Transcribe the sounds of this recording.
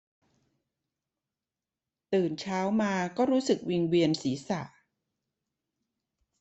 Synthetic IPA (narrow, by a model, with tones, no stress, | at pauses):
t̪ɯː˨˩nt͡ɕʰaː˦˥wmaː˧kɔː˥˩ɾuː˦˥sɯ˨˩k̚wi˧ŋwi˧ənsiː˩˦sa˨˩ʔ